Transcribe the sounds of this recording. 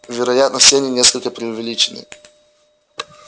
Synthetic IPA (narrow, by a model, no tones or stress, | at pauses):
vʲɪɾɐjat̪nəfsʲeɐnʲinʲeskəlʲkəpɾʲɪʊvʲɪlʲit͡ɕɪnɨ̰